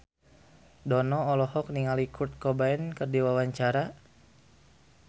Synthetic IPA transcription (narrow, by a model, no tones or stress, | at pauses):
dɔnɔːlɔhɔk̚niŋalikʰurt̪̚kɔbaɛnkərdiwawaɲt͡ʃaɾa